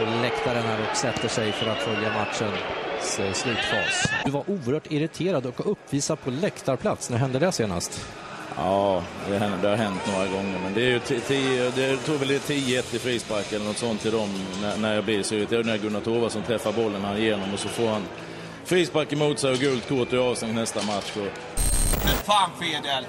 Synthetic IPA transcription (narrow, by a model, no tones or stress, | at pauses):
ɔlɛkt̪aɾəɳaɾɔksɛt̪ːəʂɛjfœɾat̪fœljamat̪ʂənsslʉ̟ːt̪fɑ̰ːsd̪̥ɵvaɾʔuːəɾhœːʈɪɾɪt̪ʰeːɾad̪ɔkɵpːviːsad̪̚pʰɔlɛkt̪aɾpʰlat̪snæɾɦɛnd̪əd̪ɛhseːna̰st̪ | ɑːd̪ɛɛnəd̪ɛhaɾɦɛnt̪noːɾaɡɔŋːəɾmɛnd̪ɛæɾjɵt̪ʰːt̪ʰid̪ɛt̪ʰuːɡvɛlɪt̪ʰiːjəɛt̪ːɪfɾiːspakːɛlːəɾnɔt̪sɔnt̪ʰːɪld̪ɔmnænæɾjɑːblɪsyət̪ʰɛjɛnæːɾɡɵnːat̪ʰoːvasɔmt̪ʰɾɛfːaɾbɔlːənhanɪjeːnɔmɔsɔfoːɾhan | fɾiːspakːɪmuːt̪sɛjɔɡʉ̟ːlt̪kʰoːʈ̪əɾɑːvst̪ɛŋnɛst̪amat̪ʂɔ | faːnfeːdɛl